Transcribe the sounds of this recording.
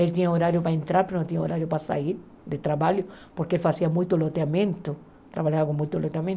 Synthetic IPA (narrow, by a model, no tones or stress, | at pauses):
elt̪iɲaoɾaɾjopaẽnt̪ɾaɾpeɾonõt̪iɲaoɾaɾjʊpasa̰iɾ | d̪et̪ɾaβaʎjʊpoɾkeelfasiamujt̪olot̪eamẽnt̪ʊ | t̪ɾaβaʎaakomujt̪olot̪eamjẽn